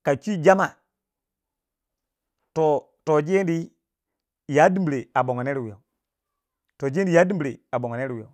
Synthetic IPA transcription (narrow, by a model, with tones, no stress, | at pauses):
ka˨t͡ʃi˦d͡ʒa˦ma˨ | to˨ | to˨d͡ʒe˦n˦di˦ | ja˦di˦mbɾe˨a˨bo˨ŋo˨ne˦ɾi˨wi˨jo̰˨ | to˨d͡ʒe˦n˦di˨ja˦di˦mbi˨ɾe˨a˨bo˨ŋo˨ne˦ɾi˨wi˨jo̰˨